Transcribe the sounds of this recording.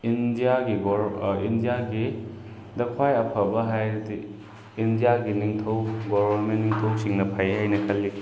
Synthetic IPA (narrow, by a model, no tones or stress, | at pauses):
indijaɡiɡindijaɡi | dɐkʰwajɐpʰɐbɐɦajɾdi | indijaɡiniŋtʰɐwɡɔbʱɐɾmentːiŋtʰɐwsiŋnɐpʰajɦajnɐkʰɐli